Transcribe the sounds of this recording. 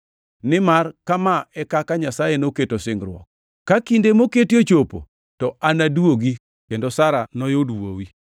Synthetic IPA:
nɪmarkamaɛkakaɲasajenoketosɪŋɡɾwɔ̰k̚ | kakindemoketjot͡ʃopo̰ | tɔanadwoɡi | kendosaɾanɔjodwowi

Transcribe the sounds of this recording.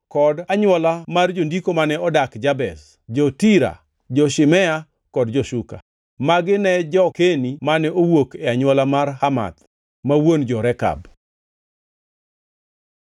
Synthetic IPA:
kɔdaɲwɔlamard͡ʒondikomanɛɔdakd͡ʒabɛ̰s | d͡ʒɔtiɾa̰ | d͡ʒɔʃɪmɛa | kɔdd͡ʒɔʃuka̰ | maɡɪnɛd͡ʒɔkenimanɛowokɛaɲwɔlamarhama̰t̪ | mawond͡ʒɔɾɛka̰b

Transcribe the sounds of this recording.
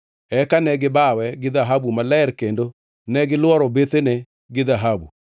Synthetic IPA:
ɛkanɛɡɪbawɛɡɪðaɦabumalɛɛɾkendo | nɛɡɪlwɔɾɔbet̪ene | ɡɪðaɦabu

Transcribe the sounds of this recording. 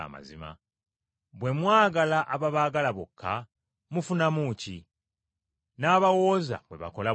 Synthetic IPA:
a̰ma̰zima̰ | bwe̞mwaːɡalaʔaβaβaːɡalaβokʰːa | mufunamuci | naːβawo̞ːza̰βwe̞̰βa̰ko̞la

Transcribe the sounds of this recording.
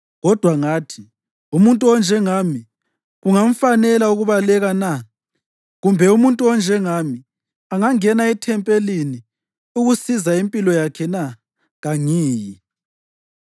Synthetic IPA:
ɣɔd̥ʱwaŋaːtʰi | umuntʼuɔnd͡ʒʱɛŋami | ɣuŋam̩fanɛlauɣuβalɛɣana | ɣumbʱɛumuntʼuɔnd͡ʒʱɛŋami | aŋaŋɛnaɛtʰɛmpʼelini | uɣusizaimpʼilɔjakʰɛna | ɣaŋiːji

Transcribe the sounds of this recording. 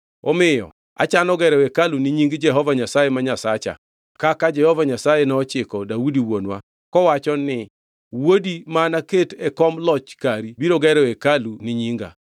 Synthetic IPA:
o̰mɪjɔ̰ | a̰t͡ʃanɔɡɛɾɛekalunɪɲiŋɡd͡ʒɛɦɔvaɲasajemaɲasat͡ʃa̰ | kakad͡ʒɛhɔvaɲasajenɔɔt͡ʃɪkɔdaudiwonwa̰ | kɔwat͡ʃɔnɪ | wodimanaketɛkɔmlɔt͡ʃkaɾibiɾoɡɛɾɛekalunɪɲiŋɡa̰

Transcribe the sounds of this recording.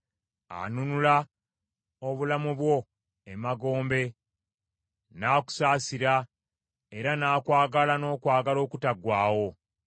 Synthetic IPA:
a̰nunula | oβulamuβwo̞ | emaɡo̞ːmbe̞ | naːku̥saːsiɾa | eɾanaːkwaːɡalano̞ːkwaːɡalo̞ːkutaɡwaːwo̞

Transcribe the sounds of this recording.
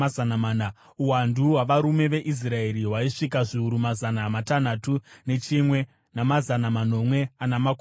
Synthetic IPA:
aanamaːna | uwanduwaʋaɾume̞ʋe̞ʔis̬rae̞ɾiɦwaiʂikaʐiuɾumazanamatan̤atune̞t͡ʃimwe̞ | namazanaman̤o̞mwe̞anamaku

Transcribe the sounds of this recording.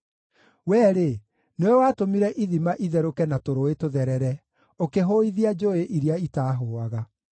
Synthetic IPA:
wɛːɾe | neɔwaːtomiɾɛʔiðimaʔiðɛɾokɛnatoɾoetoðɛɾɛɾɛ | okeɦoiðiad͡ʒoeʔiɾjaitaːɦoːaɣa

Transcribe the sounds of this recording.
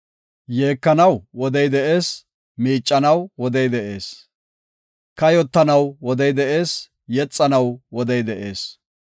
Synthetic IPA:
jeːkːɐnɐwwɔd̪ɛjd̪ɛʔe̞ːs | miːt͡ʃʼːɐnɐwwɔd̪ɛjd̪ɛʔe̞ːs | kɐjɔt̪ːɐnɐwwɔd̪ɛjd̪ɛʔe̞ːs | jɛt͡sʼːɐnɐwwɔd̪ɛjd̪ɛʔe̞̰ːs

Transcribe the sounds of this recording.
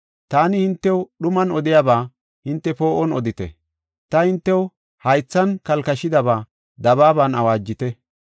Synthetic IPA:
t̪aːnɪhɪnt̪ːɛwɗʊmɐnɔd̪ɪjabaː | hɪnt̪ːɛpo̞ːʔɔnɔd̪ɪt̪ɛ̰ | t̪ɐhɪnt̪ːɛw | hɐjt͡sːɐnkɐlkɐʃɪd̪ɐbaː | d̪ɐβaːbɐnɐwaːd͡ʒːɪt̪ɛ

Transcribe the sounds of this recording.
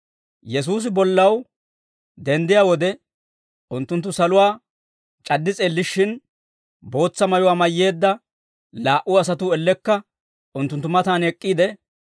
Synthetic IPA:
jɛs̬uːs̬ɪbɔlːɐw | d̪ɛnd̪ɪjaːwɔd̪ɛ | ʔʊnt̪ːʊnt̪ːʊsɐlʊwaː | t͡ʃʼɐd̪ːɪt͡sʼeːlːɪʃːɪn | bo̞ːt͡sːɐmɐjʊwaːmɐjːe̞ːd̪ːɐ | laːʔʊɐsɐt̪ʊɛlːɛkːɐ | ʊnt̪ːʊnt̪ːʊmɐt̪aːnɛkʼːiːd̪ɛ

